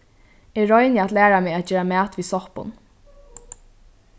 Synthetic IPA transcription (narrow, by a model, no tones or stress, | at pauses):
ɪɹɔjnjəæt̪læːɹamɛːat̪̚d͡ʒeːɹamæːt̪viːsɔhpʊ̰n